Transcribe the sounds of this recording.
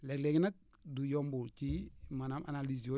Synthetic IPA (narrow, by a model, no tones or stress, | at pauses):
lɛkleɡinak̚ | dujombuɾt͡ʃimanamʔa̰naliz̬o